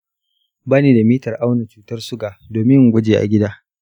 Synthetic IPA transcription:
baː˦neː˨da˨miː˦tɐ˨rʔa˦wna˨t͡ʃuː˦tɐ˦rsʊ˦ɡaː˨doː˨mɪ˦ŋ˨ɡʷɐ˦d͡ʒeː˨ʔa̰˨ɡʲɪ˦daː˦

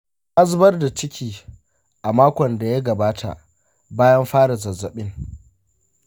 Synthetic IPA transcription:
ʔa˦zbɐ˦rda˨t͡ʃɪ˦kʲʰiː˨ | ʔa˨maː˦kʷɔ˨nda˨ja˦ɡɐ˨baː˦tʰa̰˨ʔ | baː˦jɐ˦mɸaː˦ɽa˨zɐ˨zɐ˨ɓɪ˦ŋ

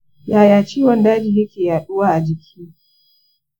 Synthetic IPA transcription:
jaː˨jaː˨t͡ʃiː˦wɔ˨ndaː˦d͡ʒiː˨jɐ˦kʲeː˨jaː˨ɗʊ˦waː˦ʔa˨d͡ʒɪ˨kʲʰiː˦

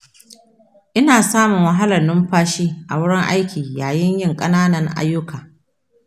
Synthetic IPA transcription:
ʔɪ˦naː˨saː˦mʊ˨ŋwɐ˨ɦa˦lɐ˨nːʊ˦mɸaː˦ʃiː˦ʔa˨wʊ˦ɽɪ˦ŋʔa˦jkʲiː˨jaː˨jɪ˦ɲjɪ˦˨ŋkʼɐ˦naː˦nɐ˨ŋʔa̰˦jːʊ˦kaː˨

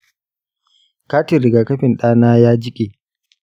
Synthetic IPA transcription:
ka˦ti˨ɾɪ˨ɡa˨kɐ˦ɸɪ˨nɗaː˦naː˦jaː˦d͡ʒɪ˦kʲʼe˨

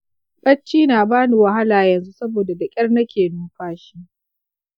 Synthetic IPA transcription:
kʼɐ˦t͡ʃːiː˦naː˨baː˦ni˨wɐ˨ɦa˦laː˨jɐ˨nzu˦sɐ˦boː˨da˨dɐ˨kʲʼɐ˦rnɐ˦kʲeː˨nuː˦ɸaː˦ʃi˦ʔ

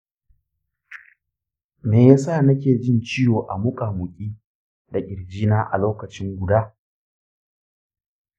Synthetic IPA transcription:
meː˨jaː˦sa˦˨nɐ˦kʲeː˨d͡ʒɪ˦nt͡ʃɪ˦joː˨ʔa˨mʊ˦kʼaː˨mʊ˨kʲʼiː˦ | da˨ʔʲʼɪ˨ɽd͡ʒiː˦naː˦ʔa̰˨loː˦kɐ˨t͡ʃɪ˦ŋɡʷʊ˨daː˦

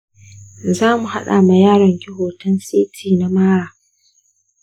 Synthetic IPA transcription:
zaː˦mu˨ha̰˦ɗa̰ː˨ma˨jaː˦ɽɐ˨ŋkʲɪ˦ɦoː˨tɐ˦nsiː˦tʰiː˨na˦maː˦ɽaː˨

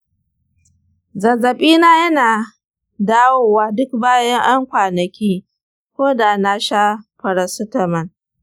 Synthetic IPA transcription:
zɐ˨zɐ˨ɓiː˦naː˦jɐ˦naː˨ | daː˦woː˦waː˦dʊ˦k̚baː˦jɐ˦ŋʔa˦ŋkʷaː˨nɐ˨kʲiː˦ | kʷoː˦da˨na˦ʃa˦ɸɐ˨ɾɐ˨sʊ˦tɐ˨mɐ˨n

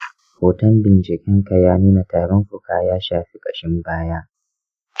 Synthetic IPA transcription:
hoː˨tɐ˦mbɪ˨nt͡ʃɪ˨kʲɪ˦ŋkɐ˨jaː˦niː˦na˨taː˨ɽɔ˦ŋkʷʊ˨kaː˨jaː˦ʃaː˨ɸi˦kʼɐ˨ʃɪ˦mbaː˦jaː˦

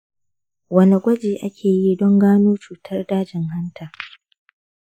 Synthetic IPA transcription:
wɐ˦ni˨ɡʷɐ˦d͡ʒeː˨ʔa˦kʲʰeː˨ji˦dɔ˦ŋɡaː˦noː˦t͡ʃuː˨tʰɐ˦rdaː˦d͡ʒɪ˨ŋha˦ntʰa˨

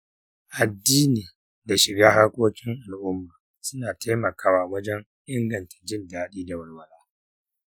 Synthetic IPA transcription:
ʔa˨dːiː˦niː˨ | da˨ʃɪ˨ɡaː˦ha˦ɽkʷʼoː˦kʲɪ˦ŋʔa˨lʔʊ˦mbaː˨ | sʊ˦naː˨tʰeː˦mɐ˨kʰaː˦waː˨wɐ˦d͡ʒɐ˦ŋ | ʔɪ˦ŋɡɐ˨ntʰḁ˨d͡ʒɪ˦˨ndaː˦ɗiː˦da˨wɐ˦rwɐ˨laː˦

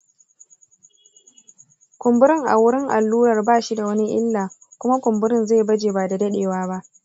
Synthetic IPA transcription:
kʷʊ˨mbʊ˦ɾɪ˦˨ŋʔa̰˨wʊ˦ɾɪ˦ŋʔa˨lːuː˦ɾɐ˨rbaː˦˨ʃi˦da˨wɐ˦ni˦ʔɪ̰˦lːaː˨kʷʊ˦ma˦kʷʊ˨mbʊ˦ɾɪ˦nze˦˨bɐ˦d͡ʒeː˨baː˨da˨dɐ˦ɗeː˨waː˦ba˦ʔ

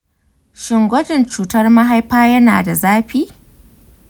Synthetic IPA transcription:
ʃɪ˨ŋɡʷɐ˦dɪ˨nt͡ʃuː˨tɐ˦rmɐ˦ɦa˦jɸaː˦jɐ˦na̰ː˨da˨zaː˦ɸiː˦

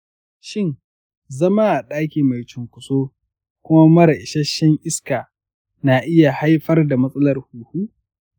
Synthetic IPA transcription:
ʃɪ˦˨ŋ | zɐ˦ma˦ʔa˨ɗaː˦kʲiː˨ma˨jt͡ʃʊ˨ŋkʷʊ˨soː˦ | kʷʊ˦ma˦mɐ˦ɾɐ˨ʔɪ˨ʃɐ˦ʃːɛ˦ŋʔɪ˦skaː˨ | na˨ʔɪ˦ja˨ha˦jɸɐ˦rda˨mɐ˦sʼɐ˦lɐ˨rhuː˨huː˦

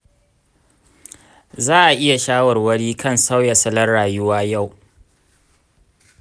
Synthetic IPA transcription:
zaː˦ʔa˨ʔɪ˦ja˨ʃaː˦wɐ˨rwɐ˦ɽiː˦kʰɐ˦˨nsa˦wjɐ˨sɐ˦lɐ˦rɽaː˨jʊ˦waː˦ja˦˨w

